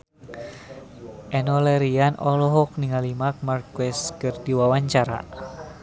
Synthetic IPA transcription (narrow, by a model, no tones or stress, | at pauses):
ʔɛnɔlɛɾianɔlɔɦɔk̚niŋalimak̚markwɛskərdiwawaɲt͡ʃaɾa̰